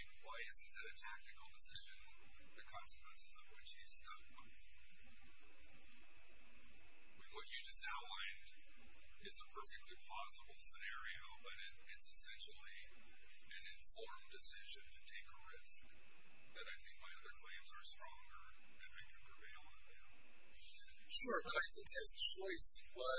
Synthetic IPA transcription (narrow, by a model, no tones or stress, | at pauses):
nwaɪɪzɨ̃nðɨɾɨtʰæk̚tɨkl̩ˠdɨsɪʒɨ̃n | ðɨkʰɑ̃nsɨ̥kʰw̥ɛ̃nsɨzʌvwɨt͡ʃhiz̥stʌfbãɪ | mĩnwʌt͡ʃɨd͡ʒʌstaʊtˡlãɪ̃nd | ɨzəpʰɜ˞fɨk̚tˡlipʰl̥ɑzəbl̩ˠsənɛɹioʊbʌɾɪɾɪtsɨsɛ̃nʃl̩ˠi | ɨ̃nɨ̃ɱfɔɹmdɨsɪʒɨ̃ntʰɨtʰeɪkɹɪsk | ðɨɾaɪθɪ̃ŋk̚maɪʌðə˞kʰl̥ẽɪ̃mzə˞stɹ̥ɔ̃ŋɡə̰˞ | ɨ̃naɪkʰɨ̃n̩pʰɹ̥ɨveɪlˠə̃ | æ | ʃʊɹbʌɾaɪθɪ̃ŋkhɨz̥t͡ʃʰɔɪsbʌ